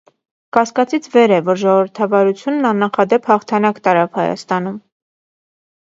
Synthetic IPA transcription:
kɑskɑt͡sit͡sʰvɛɾɛvɔɾʒɔʁɔvəɾt̪ʰɑvɑɾut͡sʰjunːɑnːɑχɑd̪ɛphɑχt̪ʰɑnɑkt̪ɑɾɑvhɑjɑ̰st̪ɑn̪um

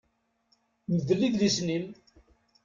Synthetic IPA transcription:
məðəlːiðlisnin

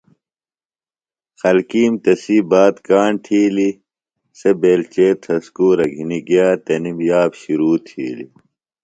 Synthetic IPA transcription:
xɐlkiːmt̪ɐsibaːt̪kaːɳt̪ʰiːli | sebeːlt͡ɕeːt̪ʰɐskuːɾɐɡʱiniɡjaːt̪ɐnimjaːbɕuɾuːt̪ʰḭːlḭ

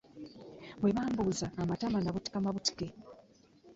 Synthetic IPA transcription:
bweβaːmbuzaːmatamanaβuti̥kamaβuti̥ke

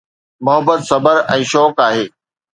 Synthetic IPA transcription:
mʊɦəbːət̪sɐbəɾɛ̃ːʃɔːkaːɦeː

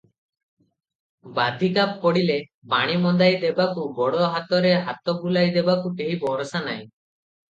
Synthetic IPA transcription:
bad̪ʱikap̚pɔɽile | baɽ̃imɔnd̪ajd̪ebakubɔɽɔɦat̪ɔɾeɦat̪ɔbulajd̪ebakuʈeɦibɔɾɔsanaj̃

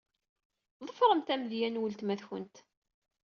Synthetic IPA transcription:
ðˤəfɾˤəmt̪æmðjænwəlt̪mæθçə̰nt̪

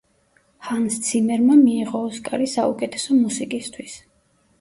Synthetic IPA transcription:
hanst̪sʰimɛɾmamiːʁɔːskʼaɾisaukʼɛt̪ʰɛ̥sɔmusikʼist̪ʰwis

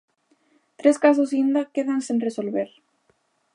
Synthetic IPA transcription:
t̪ɾeskasos̬ind̪akeðansinresolβeɾ

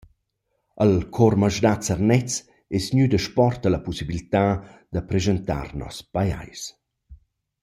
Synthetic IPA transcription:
əlkʰɔrməʒdat͡sərnɛt͡s | ɛsɲyd̪əʃpɔrt̪əlapusibilit̪ad̪əpɾezənt̪a̰rnɔ̰spaja̰js

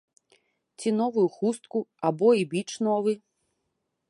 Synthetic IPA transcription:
t͡sʲin̪ɔvujuxust̪̚kuabɔibʲit͡ʂnɔvɨ

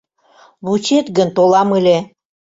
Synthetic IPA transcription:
βut͡ɕet̪ɡə̆nt̪olɑmɯlʲe

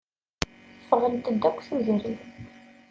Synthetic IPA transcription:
fəʁənt̪əd̪ækʷːθuzɾiθ

